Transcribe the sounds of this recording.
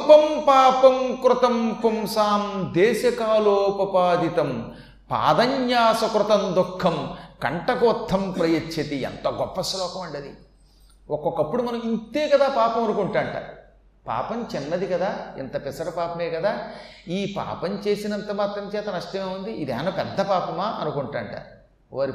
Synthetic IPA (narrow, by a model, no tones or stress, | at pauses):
pɐmpaːpɐmkɾut̪ɐmpumsaːnd̪ɛːsɐkaːloːpɐpaːd̪it̪ɐm | pa̰ːd̪ɐɲjaːsɐkɾut̪ɐmd̪ukʰːɐmkɐɳʈɐkoːt̪ʰːɐmpɾɐjɐt͡ʃʰːɐt̪iɛ̰nt̪ɐɡɔpːɐslɔːkɐmɐɳɖɐd̪ḭ | ɔkokːɐpːuɽumɐnɐmint̪eːkɐd̪aːpaːpɐmɐnukuɳʈaːɳʈɐ̰ | pa̰ːpɐmt͡ʃɛnːɐd̪ikɐd̪aːɛnt̪ɐpisɐɽɐpaːpɐmeːkɐd̪aː | iːpa̰ːpɐmt͡ʃe̞ːsinɐnt̪ɐmaːt̪ɾɐmt͡ʃɛːt̪ɐnɐʂʈɐmeːund̪iʔid̪ɛ̰ːnɐpɛd̪ʱːɐpaːpɐmaːʔɐnukuɳʈaːɳʈa̰ | ʋaːɾi